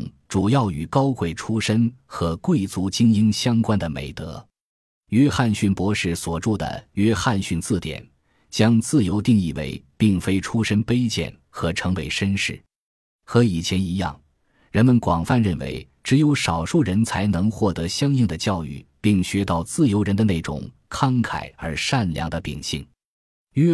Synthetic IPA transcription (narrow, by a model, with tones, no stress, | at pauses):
ʈ͡ʂu˨˩jɑ˥˩ʊy˨˩kɑ˥ʊkwe˥˩ɪʈ͡ʂʰu˥ʂə˥nxɤ˧˥kwe˥˩ɪt͡su˧˥t͡ɕi˥ŋi˥nɕjɑ˥ŋkwa˥nd̪ə˨mḛ˨˩ɪt̪ɤ̰˧˥ | ɛ˥xa˥˧nɕy˥˩npwɔ˧˥ʂɻ̩˥˩swɔ˨˩ʈ͡ʂu˥˩d̪ə̰˩ɥɛ˥xa˥˧nɕy˥˧nt͡sɹ̩˥˩t̪jɛ̰˨˩˦n | t͡ɕjɑ˥ŋt͡sɹ̩˥˩jo˧˥ʊt̪i˥˧ŋi˥˩wḛ˧˥ɪpi˥˩ŋfe˥ɪʈ͡ʂʰu˥ʂə˥npe˥ɪt͡ɕjɛ̰˥˩n | xɤ˧˥ʈ͡ʂʰɤ˧˥ŋwe˧˥˩ɪʂə˥nʂɻ̩˥˩ | xɤ˧˥i˨˩t͡ɕʰjɛ˧˥ni˧˥jɑ̰˥˩ŋ | ɻə˧˥nmə˧nkwɑ˨˩ŋfa˥˧nɻə˥˩nwḛ˧˥ɪ | ʈ͡ʂɻ̩˧˥jo˧˥ʊʂɑ˨˩ʊʂu˥˩ɻə˧˥nt͡sʰa˧˥ɪnɤ˧˥ŋxwɔ˥˩t̪ɤ˧˥ɕjɑ˥ŋi˥˩ŋd̪ə˩t͡ɕjɑ˥˧ʊy̰˥˩pi˥˩ŋɕɥɛ˥t̪ɑ˥˩˧ʊt͡sɹ̩˥˩jo˧˥ʊɻə˧˥nd̪ə˧ne˥˩ɪʈ͡ʂʊ̰˨˩ŋ | kʰɑ˥ŋkʰa˨˩ɪə˞˧˥ʂa˥˩nljɑ̰˧˥ŋd̪ə˧pḭ˨˩ŋɕḭ˥˩ŋ | ɥɛ˥